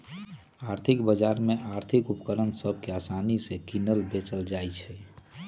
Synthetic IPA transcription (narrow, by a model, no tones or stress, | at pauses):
aːɾt̪ʰɪkbəd͡ʒaɾmeʔaɾt̪ʰikupkəɾənsəbʱkeasanisekinəlbet͡ʃəld͡ʒajt͡ʃʰɛ